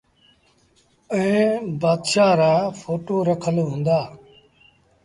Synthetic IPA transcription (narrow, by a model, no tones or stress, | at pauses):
ə̃ẽːbaːd̪ʃaːɾaːfʰoːʈoːɾəkʰəlɦũːnd̪aː